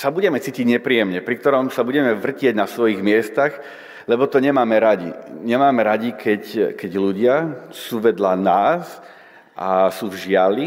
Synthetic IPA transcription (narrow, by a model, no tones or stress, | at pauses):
sabuɟɛmɛt͡siːciɟɲɛpɾiːjɛmɲɛpɾik̚t̪ɔɾɔmsabuɟɛmɛʋr̩cɪɛɟnasʋɔjiɣmɪɛst̪aɣ | lɛbɔt̪ɔɲɛmaːmɛɾaɟḭɲɛmaːmɛɾaɟikʰɛckɛɟluɟɪasuːʋɛd̪lanaːs | ʔasuːvʒɪali